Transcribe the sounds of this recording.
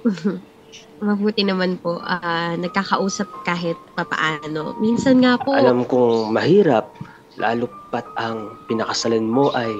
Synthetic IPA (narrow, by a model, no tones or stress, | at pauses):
mɐbuːt̪ɪnɐmanpo̞ʔanɐɡ̚kakɐʔuːsɐp̚kaːɦɪt̪̚pɐpɐ̰ʔaːno̞̰minsɐnŋaːpoʔɐ̰lamkʊŋmɐhiːɾɐp̚ | lʔa̰ːlupat̪̚ɐŋpɪnɐkɐsɐlɪnmoʔɐj